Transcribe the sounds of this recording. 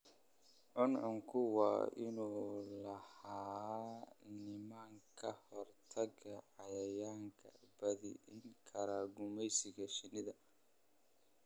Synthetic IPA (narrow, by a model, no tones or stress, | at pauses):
ʔɔnʕʊŋkʰʊwɑ̰ːʔɪnuːlɐhaː | nɪmaːŋkʰɐhɔrt̪ʰɐɡɐʕɑjɐjaːŋkʰɐ̰b̥ɐðɪ̰ʔɪŋkʰɐɾaːɡʊmɛjsɪɣɐʃɪnɪðɐ